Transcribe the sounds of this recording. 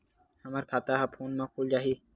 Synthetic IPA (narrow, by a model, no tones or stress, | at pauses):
həməɾkʰaːt̪aːɦapʰoːnmãːk̚ʰuːld͡ʒaːɦiː